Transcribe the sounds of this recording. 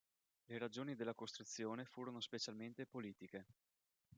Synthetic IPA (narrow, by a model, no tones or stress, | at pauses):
leɾad͡ʒoːnid̪elːakost̪ɾut̪sːjoːnefuːɾonospet͡ʃalment̪epoliːt̪ike